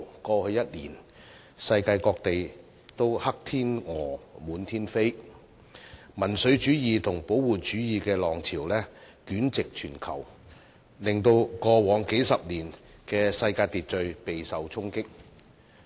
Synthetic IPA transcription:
kɔː˧hɵ˧ɥjɐ˥t̚liː˨˩n | sɐ˧jkaː˧jkɔː˧k̚t̪e˨j | t̪o˥whɐ˥k̚t̪ʰiː˥nŋɔː˨˩muː˨˧˥nt̪ʰiː˥nfe˥j | mɐ˨˩nsɵ˨˧˥ɥt͡ʃyː˨˥jiː˨t̪ʰʊ˨˩ŋpo˨˥wwuː˨˩t͡ʃyː˨˥jiː˨˧kɛː˧lɔː˨˩ŋt͡sʰiː˨˩wlɛː˥ | kyː˨˥nt͡sɪ˨k̚t͡ʃʰyː˨˩nkʰɐ̰˨˩w | lɪ˨ŋt̪o˧wkɔː˧wɔː˨˥ŋke˨˥jsɐ˨p̚niː˨˩nkɛː˧sɐ˧jkaː˧jt̪iː˨t̚t͡ʃɵ˧ɥpe˨jsɐ˨wt͡sʰʊ˥ŋkɪ˥k̚

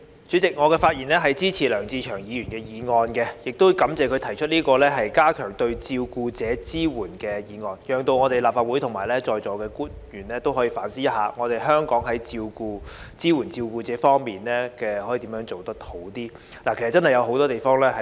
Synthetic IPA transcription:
t͡sy˨˥t͡sɪ˨k̚ŋɔː˨˧kɛː˧faː˧t̚jiː˨˩nlɛː˥ɦɐ˨jt͡siː˥t͡sʰiː˨˩lœː˨˩ŋt͡siː˧t͡ʃʰœː˨˩ŋjiː˨˧jyː˨˩nkɛː˧jiː˨˧ŋɔː˧nkɛ˧jɪ˨k̚t̪o˥wkɐ˨˥mt͡sɛː˨˩kʰɵ˨˧ɥt̪ʰɐ˨˩jt͡ʃʰɵ˥t̚niː˥kɔː˧lɛː˥ɦɐ˨jkaː˥kʰœː˨˩ŋt̪ɵ˧ɥt͡siː˧wkuː˧t͡sɛː˨˥t͡siː˥wuː˨˩nkɛː˧jiː˨˧ŋɔː˧njœː˨˩ŋt̪o˧wŋɔː˨˧t̪e˨jlaː˨pfaː˧t̚wu˨˥jt̪ʰŋmaː˨˩jlɛː˥t͡sɔː˧jt͡sɔː˨˧kɛː˧kuː˥njyː˨˩nlɛː˥t̪o˥wɦɔ˨˥jiː˧faː˨˥nsiː˥jɐ˥t̚haː˨˧ŋɔː˨˧t̪e˨jɦœː˥ŋkɔː˨˥ŋɦɐ˨˥jt͡siː˧wkuː˧t͡siː˥wuː˨˩nt͡siː˧wkuː˧t͡sɛː˨˥fɔː˥ŋmiː˨nlɛː˥kɛː˧hɔ˨˥ji˨t̪iː˨˥mjœː˨˥ŋt͡so˨wt̪ɐ˥k̚t̪ʰo˨˥wt̪iː˥ | laː˨˩kʰs̚t͡sɐ˥nhɐ˨˩jɐ˨˧wɦo˨˥wt̪ɔː˥t̪e˨˩jfɔː˥ŋlɛː˥ɦɐ˨

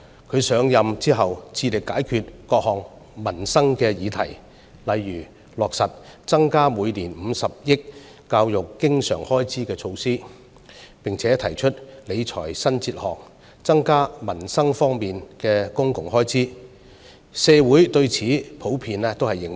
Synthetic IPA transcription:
kʰɵ˨˧ɥsœː˨˧ŋjɐ˨mt͡siː˥ɦɐ˨wt͡sʰiː˧lɪ˨kːaː˨˥jkʰyː˨˧t̚kɔː˧k̚hɔː˨˩ŋ | mɐ˨˩nsɐ˥ŋkɛː˧jiː˨˧t̪ʰɐ˨˩j | lɐ˨jːyː˨˩ | lɔː˨k̚sɐ˨t̚t͡sɐ˥ŋkaː˥muː˨˧jliː˨˩nm̩˨˧sɐ˨p̚jɪ˥k̚ː | aː˧wjʊ˨kːɪ˥ŋsœ̰ː˨˩ŋhɔː˥jt͡siː˥kɛː˧t͡sʰo˧wsiː˥ | pɪ˨ŋt͡sʰɛː˨˥t̪ʰɐ˨˩jt͡ʃʰɵ˥t̚le˨˧jt͡sʰɔ̰ː˨˩jsɐ˥nt͡siː˧t̚hɔ̰ː˨˩k̚ | t͡sɐ˥ŋkaː˥mɐ˨˩nsɐ˥ŋfɔː˥ŋmiː˨nkɛː˧kʊ˥ŋkʊ˨˩ŋhɔː˥jt͡siː˥ | sɛː˧wuː˨˥jt̪ɵ˧ɥt͡sʰiː˨˥pʰo˨˥wpʰiː˨˧nɛ˥t̪o˥whɐ˨jːɪ˨ŋ

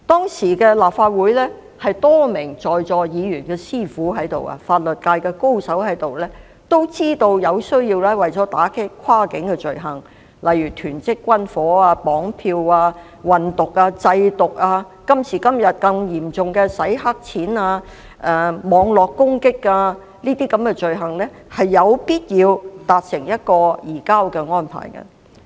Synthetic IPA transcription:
t̪ɔː˥ŋsiː˨˩kɛː˧laː˨p̚faː˧t̚wu˨˥jlɛː˥ | hɐ˨jt̪ɔː˥mɪ˨˩ŋt͡sɔː˨jt͡sɔː˨jiː˨˧jyː˨˩nkɛː˧siː˥fuː˨˥ɦɐ˨˥jt̪o˨wa̰ː˧faː˧t̚lɵ˨t̚kaː˧jkɛː˧ko˥wsɐ˨˥wɦɐ˨˥jt̪o˨˩wlɛː˥ | t̪o˥wt͡siː˥t̪o˧wjɐ˨˧wsɵ˥ɥjiː˧wlɛː˥wɐ˨jt͡sɔː˨˥t̪aː˨˥kʰe˥kʷʰwaː˥kɪ˨˥ŋkɛː˧t͡sɵ˨ɥɦɐ˨˩ŋ | lɐ˨jyː˨˩t̪ʰyː˨˩nt͡sɪ˥kːʷɐ˥nfɔː˨˥aː˧pɔː˨˥ŋpʰiː˧waː˧ | wɐ˨nt̪ʊ˨k̚aː˧t͡sɐ˧jt̪ʊ˨k̚aː˧ | kɐ˥msʰiː˨˩kɐ˥mjɐ˨t̚kɐ˧ŋjiː˨˩mt͡sʊ˨ŋkɛː˧sɐ˨˥jɦa˥k̚t͡sʰiː˨˥naː˧ | ʔɛː˨˩mɔː˨˧ŋlɔː˨˩kːʊ˥ŋkɪ˥kːaː˧ | niː˥t̪iː˥kɐ˨˧˥mkɛ˧t͡ʃɵ˨ɥɦɐ˨˩ŋlɛː˥ | hɐ˨jːɐ˨˧wpiː˥t̚jiː˨˧wt̪aː˨t̚sɪ˨˩ŋjɐ˥t̚kɔː˧jiː˨˩kaː˥wkɛː˧ŋɔː˥npʰa̰ː˨˩jkɐ̰˧

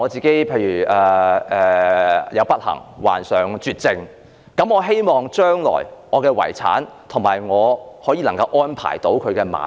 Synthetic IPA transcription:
ɔː˨˧t͡siː˨ke˨˥jpʰe˧jɥyː˨˩ʔɛː˧ʔɛː˨˧jɐ˨˧wpɐ˥t̚hɐ̰˨˩ŋwa̰ː˨˩nsœː˨ŋt͡ʃyː˧t̚t͡sɪ˧ŋ | kɐ˨˥mɔː˨˧ɦe˥jmɔː˨ŋt͡ʃœː˥ŋlɔ̰ː˨˩jŋɔː˨˧kɛː˧wɐ̰˨˩jt͡sʰa̰ː˨˥nt̪ʰʊ˨˩ŋmaː˨˩jŋɔː˨˧hɔː˨˥jiː˧lɐ˨˩ŋkɐ˧wʔɔː˥npʰa̰ː˨˩jt̪o˨˥wkʰɵ˨˧ɥkɛː˧ma̰ː˨˥

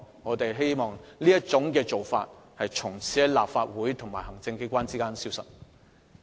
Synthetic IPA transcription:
ŋɔː˨˧t̪e˨jɦe˥jmɔː˨ŋliː˥jɐ˥t͡sʊ˨˥ŋkɛː˧t͡so˨wfa̰ː˧t̚hɐ˨jt͡ʃʰʊ˨˩ŋt͡sʰi˨˥laː˨p̚faː˧t̚wuː˨˥jt̪ʰʊ˨˩ŋmaː˨˩hɐ˨˩ŋt͡sɪ˧ŋke˥kʷaː˥nt͡siː˥kaː˥nsiː˥wsɐ̰˨t̚

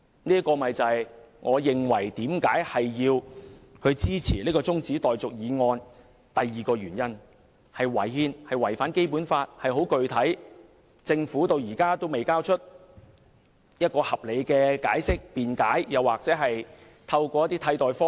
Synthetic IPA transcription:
niː˥t̚kɔː˧mɐ˨jt͡sɐ˨j | ŋʔɔː˨˧jɪ˨ŋwɐ˨˩jt̪iː˨˥mkaː˨˥jhɐ˨jːiː˧whɵ˧t͡siː˥t͡sʰiː˨˩liː˥kɔː˧t͡sʊ˥ŋt͡siː˨˥t̪ɔː˨jt͡sʊ˨k̚jiː˨˧ŋɔː˧n | t̪ɐ˨jːiː˨kɔː˧jyː˨˩njɐ˥n | hɐ˨jwɐ˨˩jhiː˧nhɐ˨jwɐ˨˩jfaː˨˥nke˥jpuː˨˥nfaː˧t̚hɐ˨˩jɦo˨˥wkɵ˨ɥt̪ʰɐ˨˥j | t͡sɪ˧ŋfuː˨˥t̪o˧wjiː˨˩kaː˥t̪o˥wme˨jkaː˥wt͡ʃʰɵ˥t̚ | jɐ˥t̚kɔː˧hɐ˨p̚le˨˧jkɛː˧ka̰ː˨˥jsɪ˥k̚piː˨nkaː˨˥jjɐ˨˧waː˨˩k̚t͡sɛː˨˥ɦɐ˨j | t̪ʰɐ˧wkɔː˧jɐ˥t̪ːiː˥t̪ʰɐ˧˥jt̪ɔː˨jfɔː˥

